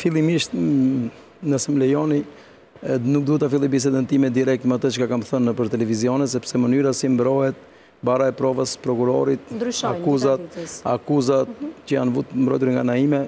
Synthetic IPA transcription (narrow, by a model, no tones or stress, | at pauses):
filˠimiʃt̪ | nəsɛmlɛjɔni | ɛnuk̚d̪uhɛt̪afilˠibis̬ɛd̪ɛnt̪imɛd̪iɾɛk̚t̪mat̪ət͡ʃkakamθənːəpəɾt̪ɛlɛviziɔnɛs̬ɛpsɛmənyɾasimbɾɔhɛt̪̚ | baɾaɛpɾɔvəspɾɔkuɾɔ̰ɾit̪̚d̪ʃakuzat̪̚a̰kuzat̪̚cəjanvut̪mbɾɔjt̪uɾŋɡanaimɛ